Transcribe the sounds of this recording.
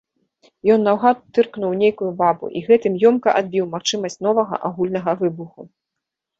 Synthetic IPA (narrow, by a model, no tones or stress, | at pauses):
jɔnːawɣat̪ːɨrknuwnʲejkujubabṵʔiɣɛt̪ɨmjɔmkɐʔad̪̚bʲiwmaxt͡ʂɨmɐsʲt͡sʲn̪ɔvɐɣɐ̰ʔaɣulʲnɐɣɐvɨbuxu